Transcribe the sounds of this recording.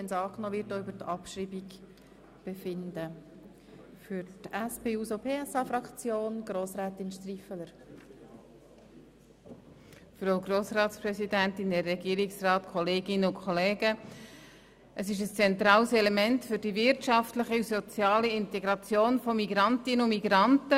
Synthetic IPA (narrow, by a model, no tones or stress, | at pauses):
ɛnsɑːknɔːvɪtdoybəɾtɑpʃɾibiɡ | b̥efɪndə | fyɾtæspeːuːsopʰeːɛsɑfɾɑkt͡sjoːnɡ̥ɾoːsɾæːt̪inʃtrifələɾ | fɾoʊɡɾoːsrɑːtsprɛsidænt̪ɪndɛrɛɡiːɾiksrɑːt̪kʰɔleːɡɪnəʊkʰχɔleːɡə | ʔəsɪʃ̬əst͡sɛnt̪ɾɑːlsɛlemɛntfʏɾd̥ivɪɾtʃɑftləχisɔt͡sjɑːliɪnt̪eɡɾɑt͡sjoːnfɔmiɡɾɑntɪnəʊmiɡɾɑntə